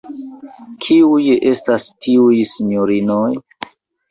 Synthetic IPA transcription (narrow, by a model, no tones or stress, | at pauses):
kʰiujʔe̞stastʰiujsiɲoɾinoj